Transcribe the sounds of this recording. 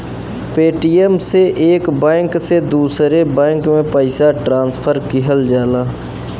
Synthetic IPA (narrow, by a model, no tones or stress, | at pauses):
peːʈijemseʔeːkbɛ̃ːŋksed̪uːsɾebɛ̃ːŋkmẽpəɪsaʈɾãːnspʰəɾkɪɦəld͡ʒaːlaː